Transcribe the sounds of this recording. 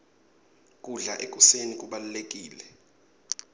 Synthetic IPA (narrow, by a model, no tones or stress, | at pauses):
kʼuɮaʔek̬ʼusenik̬ʼuɓalulek̬ʼiːlɛ